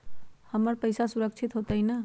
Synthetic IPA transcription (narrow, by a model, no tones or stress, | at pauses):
həməɾpəjsasuɾək̚t͡ʃʰit̪ɦot̪əjnə